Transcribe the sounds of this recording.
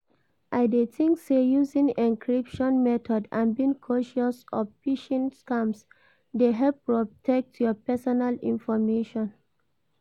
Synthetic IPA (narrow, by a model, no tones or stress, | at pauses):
ʔaɪdetĩŋksejuzĩŋĩnkʰɹipʃɔ̃nmɛtʰɔdã̰nbĩŋkʰɔʃɔsɔvpiʃɛ̃nskãms | deɦɛlpːɹɔtʰɛk̚tʰjɔpɛsɔnalḭ̃nfɔmeʃɔ̃n